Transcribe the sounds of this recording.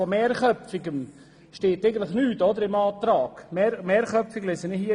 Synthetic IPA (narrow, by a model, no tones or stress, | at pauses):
ɔmeːɾχœpfɪɡən | ʃteːteɪɡən̩tlɪχnyːtɔd̪əɾɪmɑːt̪ɾaːɡ̥meɾmeːɾχœpfɪɡlɛsənɪhi